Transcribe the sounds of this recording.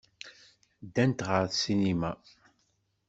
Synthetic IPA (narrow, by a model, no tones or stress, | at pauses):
d̪ːænt̪ʁəɾθsinimæ